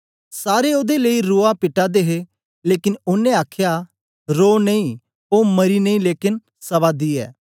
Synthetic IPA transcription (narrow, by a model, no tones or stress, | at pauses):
saːɾeoːd̪eleiɾoːapɪʈad̪eːɦe | leːkɪnʊnːẽaːkʰja | ɾoːnɐĩː | oːmɐɾinɐ̃ĩleːkɪn | sɐβaːd̪iːɛ̰ː